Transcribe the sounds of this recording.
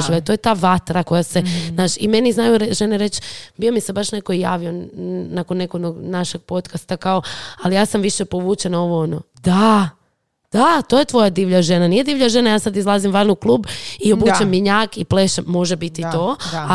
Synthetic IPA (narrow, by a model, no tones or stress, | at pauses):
ʒiʋet̪o̞jet̪aːʋat̪ɾako̞jase̞naːʃime̞niznajuɾeʒe̞neɾe̞t͡ʃbio̞mise̞baʃne̞ko̞ija̰ːʋionakonːekonoɡnaʃeɡ̥̚po̞t̪kast̪akao̞alijaːsamʋiʃepo̞ʋuːt͡ʃenao̞ʋo̞onod̪a | d̪̥at̪o̞ːje̞t̪ʋo̞jad̪iːʋʎaʒenanijed̪iːʋʎaʒe̞najaːsad̪izlˠazimʋanouklˠuːbio̞buːt͡ʃemːiɲaːkipleʃemːo̞ʒebit̪it̪oːa